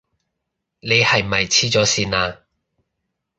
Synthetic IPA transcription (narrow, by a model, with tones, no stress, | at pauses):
ne˨˧jhɐ˨jm̩˨mɐ˨jt͡sʰiː˥t͡sɔː˨˥siː˧naː˧